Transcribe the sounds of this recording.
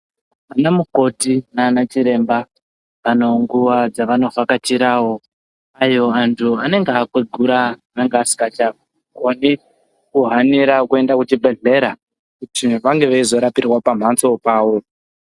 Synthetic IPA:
anamuko̞tinaːnat͡ʃiɾe̞mba | ʋano̞ŋɡuʋad͡zaʋano̞vakat͡ʃiɾaːwo̞ | ajo̞antʰuane̞ŋɡakwed͡zɡuɾaʋeŋɡeasi̥kat͡ʃa | koni | kuɦaniɾakue̞ndakut͡ʃibʱe̞ɮe̞ɾa | kutiʋaŋɡe̞ʋeizo̞ɾapirwapam̤ant͡so̞paːwo̞

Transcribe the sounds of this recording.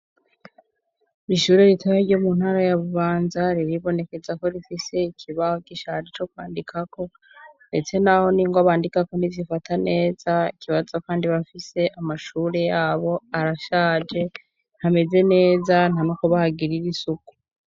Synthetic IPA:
ɾiʃuːɾeɾitaβaiɾɟo̞mun̥haɾajaβuβaːnzaɾiɾiβo̞ne̞ke̞zako̞ɾifise̞ikʰiβahokiʃaɾit͡ʃo̞kwaːndikʰako̞ | nde̞t͡se̞naho̞niːŋɡaβaːndikako̞nizifatʰane̞ːz̥aikiβazo̞kaːndiβafise̞ʔamaʃuːɾe̞jaːβo̞aɾaʃaːd͡ʒe̞ | n̥hame̞ze̞ne̞ːzanamokoβahaɡiɾiɾisuku̥

